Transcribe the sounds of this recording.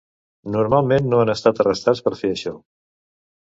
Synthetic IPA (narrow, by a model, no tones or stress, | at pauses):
nuɾmalˠmenːoanəst̪at̪ərəst̪at͡spəɾfeəʃɔ